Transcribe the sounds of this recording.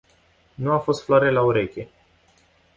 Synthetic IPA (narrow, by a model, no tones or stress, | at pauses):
nuafo̞st̪floaɾe̞lauɾe̞kʲe̞